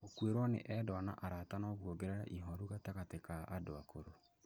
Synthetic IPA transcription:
okweɾwɔnḛʔɛdɔna̰ʔaɾatanɔɣwoɡeɾeɾa̰ʔiɦɔɾuɣatakatekaadoakʰoɾo

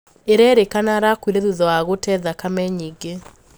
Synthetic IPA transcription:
eɾɛːɾekanaːɾakwiɾɛðuðɔwaɣotɛðakamɛɲiːɡe

